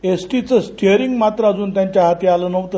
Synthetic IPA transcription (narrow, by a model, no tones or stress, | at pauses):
esʈit͡səsʈeɾiŋɡmat̪ɾəad͡zuːnt̪jaɲt͡ɕjaɦat̪ialənəʋt̪ə